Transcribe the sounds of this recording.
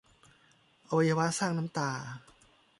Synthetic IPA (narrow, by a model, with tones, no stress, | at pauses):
ʔa˧wa˧ja˧wa˦˥saː˥˩ŋnaː˦˥mt̪aː˧˩